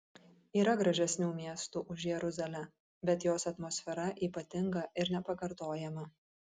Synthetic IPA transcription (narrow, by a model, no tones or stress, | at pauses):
iːɾɐɡɾɐʒʲɛsʲnʲuːmʲiɛst̪uʔʊʃjɛɾʊzɐlʲɛ | bʲɛt̪joːsɐt̪moːsʲfʲɛɾɐʔiːpɐt̪ʲɪŋɡɐʔɪɾnʲɛpɐkɐɾt̪oːjɛmɐ